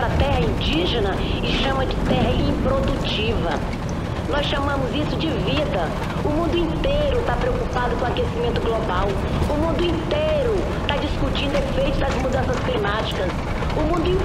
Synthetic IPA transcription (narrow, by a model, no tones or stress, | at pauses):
ɾɐt̪ɛɦɐĩd͡ʒiʒenɐ | ɪʃɐ̃mɐd͡ʒɪt̪ɛɦɐĩpɾod̪ut͡ʃivɐ | nɔsʃamɐ̃mʊzisʊd͡ʒɪvid̪ɐ | ʊmũnd̪ʊĩnt̪ejɾʊt̪apɾeokupad̪ʊkõakesimẽnt̪ʊɡlobaw | ʊmũnd̪ʊĩt̪ejɾʊ | t̪ad͡ʒiskut͡ʃĩnd̪ʊefejt̪ʊd̪ɐzmud̪ɐ̃sɐsklimat͡ʃi̥kɐs | ʊmũnd̪ʊĩ